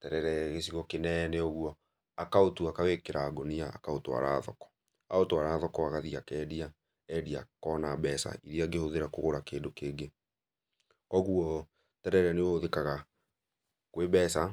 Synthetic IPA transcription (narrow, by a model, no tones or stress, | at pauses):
tɛɾɛɾɛɣesiɣɔkenɛnɛɔɣuɔ | akaotuakawekeɾaːɡonia̰ːkaotoa̰ɾa̰ðɔkɔ̥ | aotoaɾaːðɔkɔaɣaðiakɛːdia | ɛdiakɔnabɛsa̰ʔiɾiaɡehoðeɾakoɣoɾakeːndokeːɡe | kɔɣuɔ | tɛɾɛɾɛneooðekaɣa | kwebɛsa